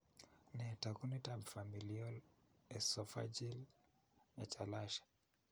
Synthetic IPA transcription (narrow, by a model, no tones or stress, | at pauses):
nɛtakunitabfamiliɔl | ɛsɔfa̰d͡ʒil | nat͡ʃalaʃḁ